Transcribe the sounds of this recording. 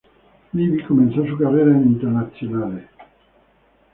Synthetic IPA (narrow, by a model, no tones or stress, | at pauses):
livikomɛnsas̬ukarːeːɾaint̪eɾnat̪sːjonaːle